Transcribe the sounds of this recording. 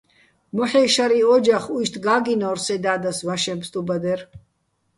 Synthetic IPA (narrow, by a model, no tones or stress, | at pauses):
mɔħɛːʃaɾiɔd͡ʒaχujʃt̪ʰɡaːɡinɔːɾsɛd̪aːd̪asvaʃɛmpst̪ʼubad̪ɛr